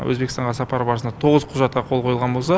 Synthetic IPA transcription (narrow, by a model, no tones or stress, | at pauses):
wɵ̰zbekəst̪ɑɴʁɑsɑpɑɾbɑɾəənɑt̪ʰo̞ʁəzqʰʊʒɑt̪̚qɑqʰo̞lˠqʰo̞jəlˠʁɑnbo̞lˠsɑ